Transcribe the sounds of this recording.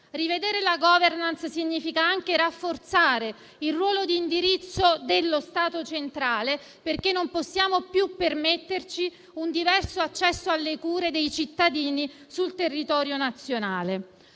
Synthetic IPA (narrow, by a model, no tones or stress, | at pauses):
rived̪eːɾelaɡɔːvernanssiɲːiːfikaaŋk̟eɾafːort̪saːɾe | ilrːwɔːlod̪iːnd̪iɾit̪sːod̪elːost̪aːt̪ot͡ʃent̪ɾaːle | perkenːomposːjaːmopjupːermet̪ːert͡ʃi | und̪ivɛrsoat͡ʃːɛsːoalːekuːɾed̪ejt͡ʃit̪ːad̪iːni | sult̪erːit̪ɔːɾjonat̪sːjonaːle